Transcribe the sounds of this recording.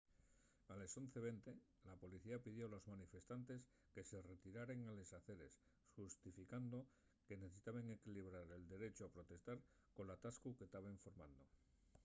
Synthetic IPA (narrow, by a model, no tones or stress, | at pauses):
aleso̞n̟θe̞βe̞nt̪e̞ | lapo̞liθiapið̞jo̞lo̞zmanife̞st̪ant̪e̞s | ke̞se̞re̞t̪iɾaɾe̞ŋale̞saθe̞ɾe̞s | xust̪ifikand̪o̞ | ke̞neθesit̪aβe̞ŋe̞kiliβ̞ɾaɾe̞ld̪e̞ɾe̞t͡ʃoapɾo̞t̪e̞st̪aɾ | ko̞nlat̪askuket̪aβeɱfo̞ɾmãnd̪o̞